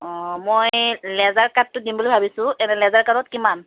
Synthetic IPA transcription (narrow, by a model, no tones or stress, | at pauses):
ɔmojlɛzaɹkat̚ːʊdimbolojbʱabisʊ̃ʔɛnɛlɛzaɹkatɔt̚kiman